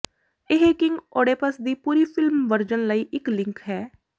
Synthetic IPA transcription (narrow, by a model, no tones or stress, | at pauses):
eɦekɪŋɡoːɽeːpəsd̪iːpuːɾiːpʰɪlmʋəɾd͡ʒənləiːʔɪklɪ̃ŋkɦɛː